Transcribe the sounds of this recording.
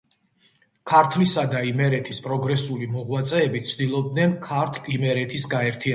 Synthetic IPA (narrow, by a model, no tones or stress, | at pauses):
kʰaɾt̪ʰlisad̪aimɛɾɛt̪ʰispʼɾɔɡɾɛsulimɔʁwat̪sʼɛːbit̪sʰd̪ilˠɔb̚d̪nɛnkʰaɾt̪ʰlimɛɾɛt̪ʰisɡaɛɾt̪ʰia